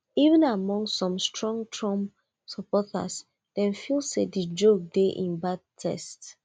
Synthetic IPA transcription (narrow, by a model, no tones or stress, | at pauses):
ivə̃namɔ̃ŋsɔ̃mstɹɔ̃ŋtʰɹɔ̃m | sɔpɔta̰s | d̥ɛ̃nfilˠsedəd͡ʒok̚deʔĩnbad̚tʰɛ̰st